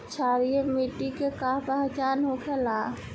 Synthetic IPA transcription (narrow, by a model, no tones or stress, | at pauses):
t͡ʃʰaːɾiemiʈikekaːpɛɦt͡ʃaːnɦokʰelaː